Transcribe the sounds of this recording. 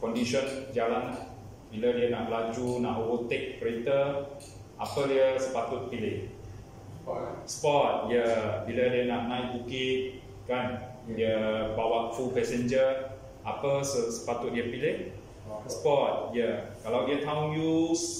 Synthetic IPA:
kɔndiʃɔnd͡ʒalanah | bilədiənaʔlad͡ʒunaʔowut̪ek̚pəɾit̪ə | ʔapədiəsəpat̪ʊt̪̚pilɪh | spɔt̪̚jəbilədiənaʔnãjʔbukit̪̚ | kan | diəbawaʔfupɛsənd͡ʒə | apəsəsə̥pat̪ʊt̪̚diəpilɪh | sə̥pɔt̪̚jəkalawdiət̪ʰawnjus

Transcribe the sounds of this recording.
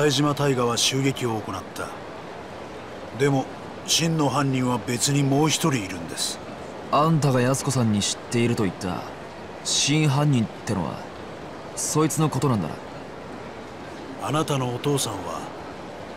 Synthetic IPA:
saiʑimat̪aiɡaβaɕɨːɡe̞kʲio̞ːko̞nat̪ʰːa̰ | d̪e̞mo̞ | ɕĩnːo̞ɦãɲʲːĩɰ̃βabe̞t͡sɨɲ̟imo̞ːçi̥t̪o̞ɾʲiːɾɯ̟̃nd̪e̞sɨ̥ | ãnt̪aɡajasɨ̥ko̞sãɲ̟ːiɕi̥t̪ːe̞iɾɯ̟t̪o̞it̪ːa̰ | ɕĩɰ̃ɦãɲ̟ːĩnt̪ːeno̞βa̰ | so̞it͡sɨno̞ko̞t̪o̞nãnd̪a̰ɾa̰ | anat̪ano̞ːt̪o̞ːsãβa̰

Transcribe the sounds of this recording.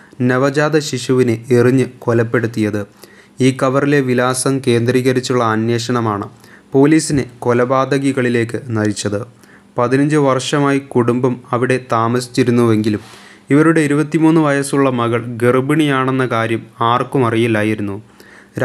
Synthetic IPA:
neʋɐd͡ʑaːd̪ɐɕiʂuʋineeriɲːɨko̞lɐpːe̞ɽut̪ːijɐðɨ | iːkːɐʋɐrile̞ʋilaːsɐmke̞ːnd̪riːɣɐɾit͡ɕːuɭːɐɐnje̞ːʂɐɳɐmaːɳɨ | po̞ːliːsinɨko̞lɐbaːd̪ɐɣiɣɐɭile̞ːkːɨnɐɾit͡ɕːɐðɨ | pɐðinɐɲd͡ʑɨʋɐrʂɐmaːjikuɽumbɐmɐʋiɽe̞t̪aːmɐsi̥t͡ɕːiɾunːuʋe̞ŋɡilum | iʋɐɾuɽe̞iɾubɐt̪ːimuːnːɨʋɐjɐsuɭːɐmɐɣɐɭɡirbiɳijaːɳe̞nːɐkaːɾjɐmaːrkumɐrijilːaːjiɾunːu | ɾ

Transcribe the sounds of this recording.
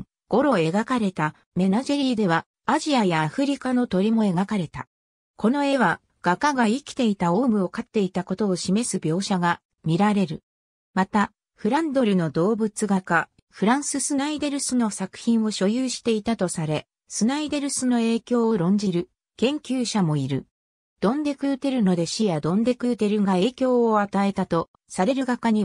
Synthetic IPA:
ɡ̥o̞ɾo̞e̞ɡakaɾe̞t̪a | me̞naʑoɾʲiːd̪e̞βaː | ʑiajaːɸɯ̟ɾʲikano̞t̪o̞ɾʲimo̞e̞ɡakaɾe̞t̪a̰ | ko̞no̞e̞βa | ɡ̥akaɡaikʲi̥t̪e̞it̪aoːmɯ̟o̞kat̪ːe̞it̪ako̞t̪o̞ːɕime̞sɨbʲjo̞ːɕaɡa | mʲiɾaɾe̞ɾɯ̟ | mat̪a | ɸɯ̟ɾãnd̪o̞ɾɯ̟no̞d̪o̞ːbɯ̟t͡sɨɡaka | ɸɯ̟ɾãɰ̃sɨsɨnaid̪e̞ɾɯ̟sɨno̞sakɯ̟̥çĩɰ̃o̞ɕo̞jɯːɕi̥t̪e̞it̪at̪o̞saɾe̞ | sɨnaid̪e̞ɾɯ̟sɨno̞e̞ːkʲo̞ːoɾõ̞ɲ̟d͡ʑiɾɯ̟ | kẽ̞ŋkʲɨːɕamo̞iɾɯ̟̰ | d̪̥õ̞nd̪e̞kɯ̟ɯt̪e̞ɾɯ̟no̞d̪e̞ɕijad̪õ̞nd̪e̞kɯ̟t̪e̞ɾɯ̟ŋɡae̞ːkʲo̞ːat̪ae̞t̪at̪o̞ | saɾe̞ɾɯ̟ɡakaɲ̟i

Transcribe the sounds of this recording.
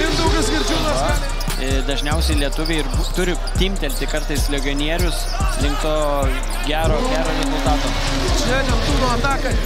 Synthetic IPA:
ɪnd̪ɐʊɡɐskʲɪɾʲd͡ʒʲuːnɐ | ɪd̪ɐʒʲnʲɛʊsʲɛɪlʲiɛt̪ʊʋʲɛɪrbt̪ʊɾʲɪ | t̪ʲɪmʲt̪ʲɛlʲt̪ʲɪkɐɾt̪ɐɪslʲɛɡʲɪoːnʲiɛɾʲʊs | lʲɪŋkt̪oː | ɡʲæːɾoːɡʲæːɾoːɾʲɛzʊlˠt̪ɑːt̪oː | t͡ʃʲɛnʲobuːd̪oːɐt̪ɑːkɐ

